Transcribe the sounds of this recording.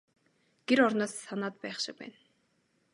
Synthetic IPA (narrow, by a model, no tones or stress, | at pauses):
ɡ̥eɾɔɾnɔːsːanaːt̪̚pæːχʃɪ̆pæ̰ːn